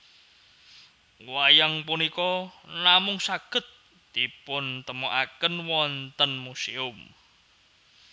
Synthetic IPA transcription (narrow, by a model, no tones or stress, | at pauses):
wajaŋpunikɔnamʊŋsaɡ̥ə̤t̪ː | ipʊnt̪əmoʔakənwɔnt̪ənmuseʊm